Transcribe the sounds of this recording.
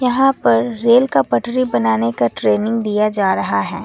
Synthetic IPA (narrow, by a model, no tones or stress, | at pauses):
jɐɦãpɐɾːeːlkapɐʈɾibɐnaːnekaʈɾeːnɪ̃ŋɡd̪ijad͡ʒaːɾɐɦaɦɛ̰ː